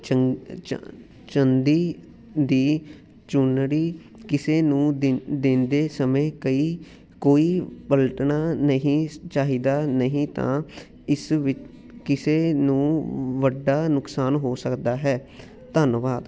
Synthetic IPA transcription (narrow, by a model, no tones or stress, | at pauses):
t͡ʃənd̪iː | d̪iː | t͡ʃʊnɽiː | kɪseːnũːd̪ɪnd̪eːsəmẽːkəiː | koːiːpəlʈnaːnəɦĩːt͡ʃaːɦiːd̪aːnəɦĩːt̪ã̰ː | ɪsʋɪt͡ʃ | kɪseːnũːʋəɖːaːnʊksaːnɦoːsəkd̪aːɦɛː | t̪ənʋaːd̪